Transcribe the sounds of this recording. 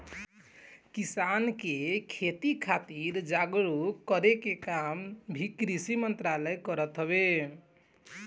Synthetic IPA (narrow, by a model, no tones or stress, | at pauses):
kisankekʰet̪ikʰat̪iɾd͡ʒaɡɾuəɾekekambʱikɾisimənt̪ɾaləjkəɾət̪ɦəbe